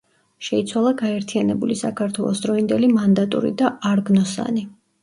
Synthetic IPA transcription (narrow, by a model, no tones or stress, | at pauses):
ʃɛit̪sʰwalˠaɡaɛɾt̪ʰianɛbulisakʰaɾt̪ʰwɛlˠɔ̰sd̪ɾɔind̪ɛlimand̪at̪ʼṵɾḭd̪aaɾɡnɔsa̰ni